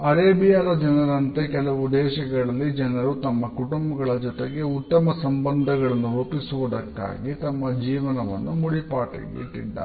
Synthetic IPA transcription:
ɐɾeːbijaːlɐd͡ʒɐnɐɾɐnt̪ekɛlɐʋud̪ɛːʃɐɡɐɭɐlːid͡ʒɐnɐɾut̪ɐmːɐkuʈumbɐɡɐɭɐd͡ʒɔt̪eɡe̞ut̪ːɐmɐsɐmbɐnd̪ʱɐɡɐɭɐnːuɾuːpisuʋud̪ɐkːa̰ːɡit̪ɐmːɐd͡ʒiːʋɐnɐʋɐ̰nːumuɽipaːʈɐ̰ɡḛʈːḭɖːɐ̰

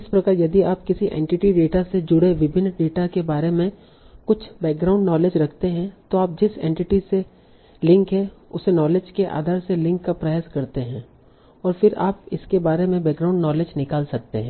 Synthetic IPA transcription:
ɪspɾɐkaːɾjɐd̪iaːpkɪsiʔḛ̃ːɳʈɪʈiɖeːʈased͡ʒʊɽeʋɪbʱɪnːɖeːʈakebaːɾemẽ | kʊt͡ʃʰbɛːk̚ɡɾaːʊ̃ɳɖnɔːleːd͡ʒɾɐkʰt̪eɦɛ̃t̪oaːp̚d͡ʒɪsḛ̃ːɳʈɪʈise | lɪ̃ŋkɦɛʊsenɔːleːd͡ʒkeʔa̰ːd̪ʱaːɾselɪ̃ŋkːapɾɐjaːskɐɾt̪eɦɛ̃ː | ɔːɾfɪɾa̰ːpɪskebaːɾemẽbɛːɡɾaːʊ̃ɳɖnɔːleːd͡ʒnɪkaːlsɐk̚t̪ḛɦɛ̃ː

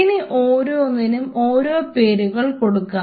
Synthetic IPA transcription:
iniʔoːɾoonːinumo̞ːɾope̞ːɾuɣɐɭko̞ɽukːa

